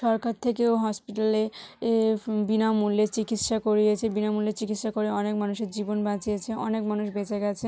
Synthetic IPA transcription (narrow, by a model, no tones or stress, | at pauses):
ʃɔɾkaɾt̪ʰekeoɦɔspiʈale | binamulːet͡ɕikit̪ʃakoɾijet͡ɕʰebinamulet͡ɕikit̪ʃakoɾeɔnekmanuʃeɾd͡ʑibonbãt͡ɕijet͡ɕʰeʔɔnekmanuʃbet͡ɕeɡɛt͡ɕʰe